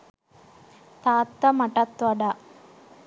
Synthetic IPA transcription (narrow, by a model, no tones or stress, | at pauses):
t̪aːt̪ːɐmɐʈɐt̪ʋɐɖa